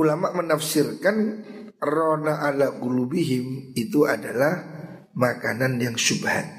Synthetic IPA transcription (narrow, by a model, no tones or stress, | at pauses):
ʔulamaʔmənafsɪrkanronaʔalaʔɡulubiɦɪmit̪uadalah | makananjaŋsubha̰t̪̚